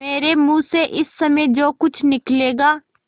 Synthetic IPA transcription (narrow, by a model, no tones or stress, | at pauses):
eːɾemũːseʔɪsːəmə̃d͡ʒoːkʊt͡ʃʰnɪkleːɡaː